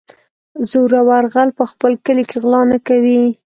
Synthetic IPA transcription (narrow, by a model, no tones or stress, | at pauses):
zuɾawaɾɣalpəxpəlkəlikeɣlɑnakawi